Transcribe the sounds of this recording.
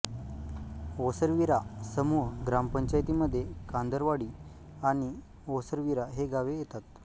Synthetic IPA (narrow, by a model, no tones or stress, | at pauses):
osəɾʋiɾasəmuːɦɡɾampəɲt͡ɕajt̪iːməd̪ʱːjekand̪əɾʋaɽiː | aɽ̃i | osəɾʋiɾaɦeɡaʋejet̪at̪